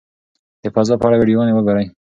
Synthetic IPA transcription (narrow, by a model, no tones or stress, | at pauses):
d̪̥əpazɑpaɽaweɖijoɑnewəɡaɾəj